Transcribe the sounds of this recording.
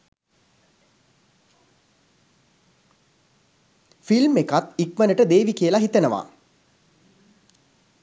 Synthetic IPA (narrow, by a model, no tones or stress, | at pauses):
filmekat̪ikmənəʈəd̪eːʋikijəlaɦit̪ənəʋa̰